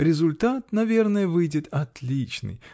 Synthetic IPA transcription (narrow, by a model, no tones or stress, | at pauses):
ɾʲɪzʊlʲt̪at̪nɐvʲe̞rnəjəvɨjdʲɪt̪ɐt̪lʲit͡ɕnɨ̰j